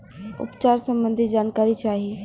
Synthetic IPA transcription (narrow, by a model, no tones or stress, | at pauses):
ṵpt͡ʃaɾsəmbənd̪ʱid͡ʒankaɾit͡ʃaɦi